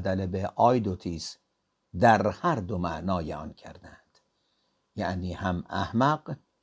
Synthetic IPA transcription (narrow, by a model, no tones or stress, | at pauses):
d̪ælebeʔɒːjd̪ot̪ʰiːs | d̪æɾhæɾd̪omæʔnɒːjeɒ̰ncʰæɾd̪ænd̪̥ | jæʔniːhæmæ̰hmæq